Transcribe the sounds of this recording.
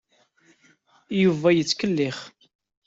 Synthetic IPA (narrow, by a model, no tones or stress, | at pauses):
juvæjət͡sːkəlːɪχ